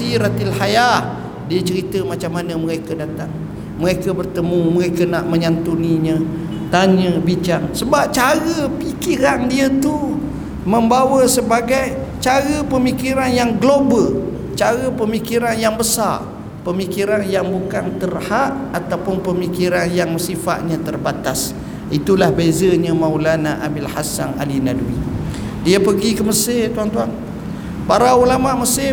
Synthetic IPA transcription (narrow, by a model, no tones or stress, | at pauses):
iɾat̪alhaja | diət͡ʃəɾit̪əmat͡ʃamːanəməɾekədat̪aŋ | məɾekəbərt̪əmuməɾekənaʔmə̃ɲant̪uniɲə̃ | t̪aɲə̃bit͡ʃaŋsəbap̚t͡ʃaɾəpikiɾandiət̪u | mə̃mbawəsəbaɡaj | t͡ʃaɾəpəmikiɾanjaŋɡlobəl | t͡ʃaɾəpəmikiɾanjaŋbəsa̰r | pəmikiɾanjaŋbukant̪ərhaʔat̪awpʊnpəmikiɾanjaŋməsifa̰ʔ̪̚ɲãt̪ərbat̪as | ʔit̪ulahbezəɲə̃mãwlanaʔa̰bilhasa̰na̰linadwḭ | diapəɡikəməsɪt̪uant̪uan | paɾaulamãʔməsɪ